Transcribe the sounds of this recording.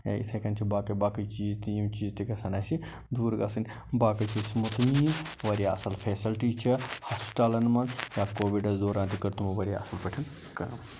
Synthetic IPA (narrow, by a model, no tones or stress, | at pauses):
a̰ʔḭt̪ʰɐkɐnt͡ʃʰibaːkɐbaːkit͡ʃiːzt̪ijimt͡ʃiːzt̪ikɐsɐnaːjsi | d̪uːɾɡɐsɐn | baːkɐt͡ʃʰismut̪niːʋɐɾijaːɐsɐlfʰeːsɐlʈiːt͡ʃʰihaːspi̥ʈaːlɐnmɐnjaːkoːʋiɖɐzd̪oːɾãːnt̪ikɐɾt̪umɐʋɐɾja̰ːʔɐsɐlpɐʈʰɐn | kɐ